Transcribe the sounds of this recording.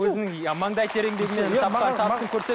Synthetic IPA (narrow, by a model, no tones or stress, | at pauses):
wɵzɪnɪŋmɑɴd̪ɑjt̪ʰeɾe̞ŋd̪e̞ɡʲɪmet̪ʰɑpqɑt̪ʰɑpsəŋkʲʰɵɾse̞